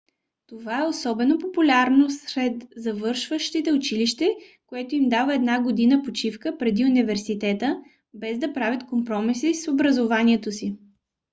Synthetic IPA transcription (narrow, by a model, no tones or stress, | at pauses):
t̪ovaɛosɔbɛnopopulʲaɾnosɾɛt̪zɐvɤɾʃvəʃt̪it̪ɛʊt͡ʃiliʃt̪ɛkoɛt̪oimd̪avəɛd̪naɡod̪inəpot͡ʃifkəpɾɛd̪iʊnivɛɾsit̪ɛt̪ə | bɛzd̪ɐpɾavʲjət̪kompɾɔmisisobɾɐzovaniɛt̪osi